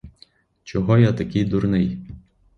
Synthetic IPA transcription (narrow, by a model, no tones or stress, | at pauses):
t͡ʃɔɦɔjat̪ɐkɪjd̪ʊɾnɪj